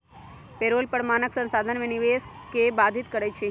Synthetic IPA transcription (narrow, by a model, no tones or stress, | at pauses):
peɾoːlpəɽmaːnəksə̃nsaːd̪ʱənʋeniʋes | kebad̪ʱit̪kəɾet͡ʃʰe